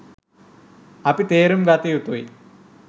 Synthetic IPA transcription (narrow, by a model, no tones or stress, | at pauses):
ɐpit̪eːɾumɡɐt̪ijut̪ui